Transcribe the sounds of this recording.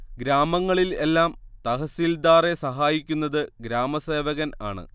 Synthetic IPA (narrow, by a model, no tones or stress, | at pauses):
ɡɾaːmɐŋːɐɭile̞lːaːmt̪ɐɦɐsild̪aːre̞sɐɦaːjikʲːunːɐðɨɡɾaːmɐse̞ːʋɐɣɐna̰ːɳɨ̰